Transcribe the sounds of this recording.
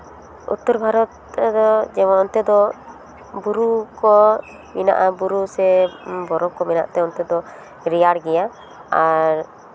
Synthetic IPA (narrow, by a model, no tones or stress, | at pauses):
ṵt̪ːuɾbʱaɾɔt̪d̪ɔd͡ʒɛmɔnɔnt̪ɛd̪ɔ | buɾukɔ | mina̰ʔabuɾusɛbɔɾɔkɔmina̰ʔt̪ɛɔnt̪ɛd̪ɔ | ɾijaɽɡɛja | aɾ